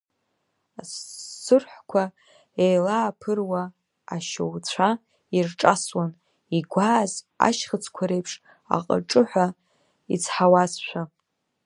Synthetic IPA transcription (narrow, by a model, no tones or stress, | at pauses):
aːɨrħʷkʷʰa | ejlaːpʰɨrwaː | ʃowt͡ɕʷʰa | irʈ͡ʂʼaswan | iɡʷaːz | a̰ʃχət͡sʰkʷʰaɾe̞jpʰʂ | a̰qʼə̰ʈ͡ʂʼɨħʷa | it͡sʰħawasʃʷᶣa